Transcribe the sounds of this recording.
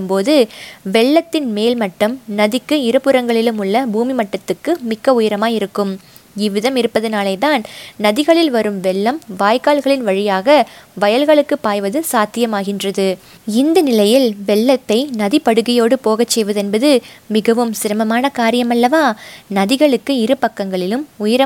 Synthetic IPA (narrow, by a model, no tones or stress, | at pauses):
ɯmpoːðɯʋɛɭːɐt̪ːɪnmeːlmɐʈːɯmnɐðɪkːɯɪɾɯpɯɾɐŋɡɐɭɪlɯmʊɭːɐbuːmimɐʈːɐt̪ːɯkːɯmɪkːɐʊjɐɾɐmaːjɪɾɯkːɯm | ɪʋɪðɐmɪɾɯpːɐðɯnaːleɪt̪aːnnɐðɪɣɐɭɪlʋɐɾɯmʋɛɭːɐmʋaːjkaːɭɣɐɭɪnʋɐɻɪjaːɣɐʋɐjɐlɣɐɭɯkːɯpːaːjʋɐðɯsaːt̪ːɪjɐmaːɣɪndrɐðɯ | ɪnd̪ɐnɪlɐjɪlʋɛɭːɐt̪ːɐɪnɐðipɐɽɯɣɪjoːɽɯpoːɣɐt͡ʃːɛjʋɐðɛnbɐðɯmɪɣɐʋɯmsɪɾɐmɐmaːnɐkaːɾɪjɐmɐlːɐʋaːnɐðɪɣɐɭɯkːɯɪɾɯpɐkːɐŋɡɐɭɪlɯmʊjɐɾɐ